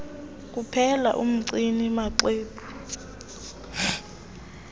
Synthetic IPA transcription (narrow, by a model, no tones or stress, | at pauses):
k̬ʼupʰɛla̰ʔum̩ǀinimaǀeːpʰu̥